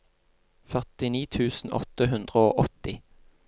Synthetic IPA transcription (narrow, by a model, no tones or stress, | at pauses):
fœʁt̪ɪniːt̪ʰʉːsn̩ʔɔ̰t̪əɦʉnd̪ʁəo̰ːʔɔt̪ɪ